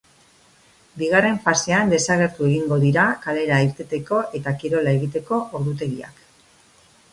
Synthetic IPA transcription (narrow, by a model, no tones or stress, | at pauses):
biɣare̞ɱfase̞and̪e̞saɣ̞e̞ɾt̪ue̞ɣiŋɡo̞ðiɾakale̞ɾaiɾt̪et̪e̞ko̞ʔe̞t̪akiɾo̞lae̞ɣ̞it̪e̞ko̞ʔoɾðut̪̬e̞ɣia̰k